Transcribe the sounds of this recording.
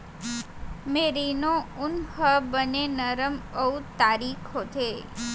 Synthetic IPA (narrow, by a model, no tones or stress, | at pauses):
meɾinounhəbənenəɾəməwt̪aɾikʰot̪ʰe